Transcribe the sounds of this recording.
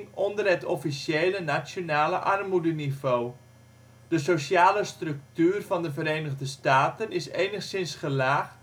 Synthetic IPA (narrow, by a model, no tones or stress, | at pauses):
ŋɔndərɦɛtɔfisjeːlənasjonaːləʔarmudənivoː | d̥əsosjaːləstrɵk̚tyːrvɑndəvəɾejnəɣdəstaːtənɪsejnəχsɪnsχəlaːχ